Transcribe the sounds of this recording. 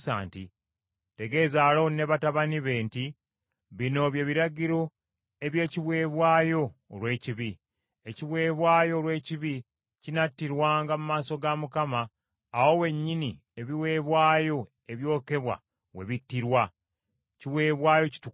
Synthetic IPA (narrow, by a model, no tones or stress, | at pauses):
sa̰ːntḭ | te̞ɡe̞ːzaːlo̞ne̞βataβaniβe̞ːnti | βino̞βje̞βiɾaɟiɾo̞ | e̞βje̞ːciβwe̞ːβwaːjo̞ːlwe̞ːciβi | eciβwe̞ːβwaːjo̞ːlwe̞ːciβi | cinatːiɾwaːŋɡamumaːso̞ɡamukamaː | wo̞we̞ɲːini | e̞βiwe̞ːβwaːjo̞ | e̞βjo̞ːke̞βwa̰ | we̞̰βitːiɾwa | ciβwe̞ːβwaːjo̞ci̥tu